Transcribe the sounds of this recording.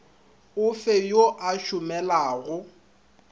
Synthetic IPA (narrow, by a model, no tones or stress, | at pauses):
ʊfejoʔaʃʊmɛlaːɣʊ